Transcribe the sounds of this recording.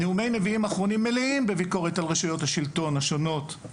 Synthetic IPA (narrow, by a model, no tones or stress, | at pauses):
eumejne̞viimaːχʁo̞nimːeliimbeviko̞ʁetalʁeʃujo̞thaʃilto̞naʃo̞no̞t